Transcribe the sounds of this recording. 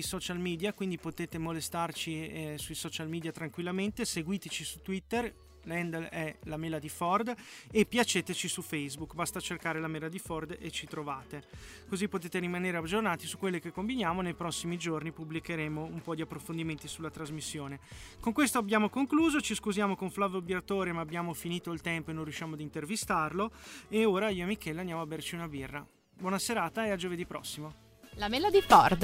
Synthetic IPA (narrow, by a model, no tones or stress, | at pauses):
isɔt͡ʃalmiːd̪jakwind̪ipot̪eːt̪emolest̪art͡ʃisuisɔt͡ʃalmiːd̪jat̪ɾaŋkwilːament̪eseɡwiːt̪et͡ʃisut̪wit̪ːer | lɛnd̪lɛlameːlad̪ifɔrd̪epːjat͡ʃeːt̪et͡ʃisufɛjzbukːbast̪at͡ʃerkaːɾelameːlad̪ifɔrd̪et͡ʃit̪ɾovaːt̪e | kozipːot̪eːt̪eɾimaneːɾead͡ʒornaːt̪isukːwelːekekːombinjaːmonejpɾɔsːimid͡ʒornipublikeɾeːmoumpɔd̪iapːɾofond̪iment̪isulːat̪ɾazmisːjoːnekoŋkwest̪oabjaːmokoŋkluːzot͡ʃiskuzjaːmokoɱflaveobjɾat̪oːɾemaːbːjaːmofiniːt̪oilt̪ɛmpoenːonrjuʃːjaːmoad̪int̪ervist̪arloeoːɾaiːoemikɛːleand̪jaːmoabert͡ʃiunabirːa | bwɔːnaseɾaːt̪aead͡ʒoved̪ipːɾɔ̰sːimo | lamɛlad̪ifɔ̰rd̪